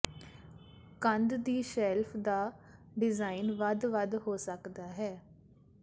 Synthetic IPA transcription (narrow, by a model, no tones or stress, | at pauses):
kənd̪d̪iːʃɛːlpʰd̪aː | ɖɪzaːinʋəd̪ʋəd̪ɦoːsəkd̪aːɦɛː